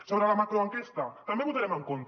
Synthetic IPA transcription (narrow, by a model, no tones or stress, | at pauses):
soβɾəlamakɾoəŋkest̪ɐt̪ɐmbeβut̪aɾɛməŋkont̪